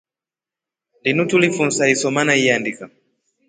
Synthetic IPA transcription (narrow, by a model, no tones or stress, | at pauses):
ndinutulifun̩saisɔmanaiandika